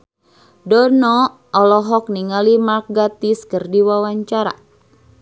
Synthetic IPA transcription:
dɔnɔ | ɔlɔɦɔk̚niŋalimak̚ɡat̪iskɨrdiwawaɲt͡ʃaɾa̰

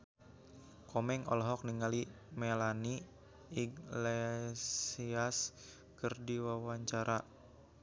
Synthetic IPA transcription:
kɔmɛŋɔ̰lɦɔk̚niŋali | mɛlani | iɡlesias | kɨrdiwawaɲt͡ʃaɾʔa

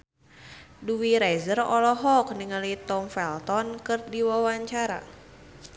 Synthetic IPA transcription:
duwiɾɛzərɔlɔɦɔk̚niŋalit̪ɔmfɛlt̪ɔnkɨrdiwawaɲt͡ʃaɾa̰

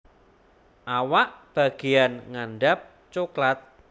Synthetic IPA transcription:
ʔawaʔb̥a̤ɡ̥e̤janŋanɖap̚ | t͡ʃoklat̪̚

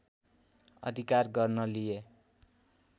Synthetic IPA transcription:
ʌ̰d̪ʱikarɡʌrnʌlije

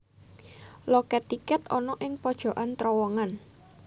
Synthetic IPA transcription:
lɔkɛt̪ikɛt̪ɔnɔʔɪŋpɔd̥ʒ̥ɔ̤ʔant̪ɾɔwɔŋan

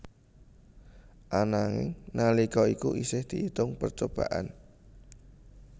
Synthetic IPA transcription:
ʔanaŋɪ̰ŋnalikɔikuʔisɪhd̪̥iʔit̪ʊŋpərt͡ʃob̥a̰ʔa̰n

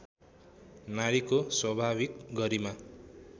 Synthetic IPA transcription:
naɾikoswʌbʱabikɡʌɾima

